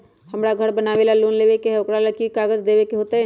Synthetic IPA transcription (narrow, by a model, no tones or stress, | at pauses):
hɐmɽaɡʱəɾbənaːʋeːlaloːnleːʋekeɦʊkɽalɐkikaːɡəzd̪eːʋekeɦoːt̪eɦɛ̃ː